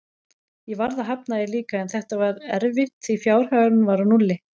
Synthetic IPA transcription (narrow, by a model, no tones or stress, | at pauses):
jɛvaɾðaɦapnaɪliːkaɛnθɛht̪avaɾɛɾvɪht̪θifjaːwɾ̥haɣɾʏmvaɾanulːɪ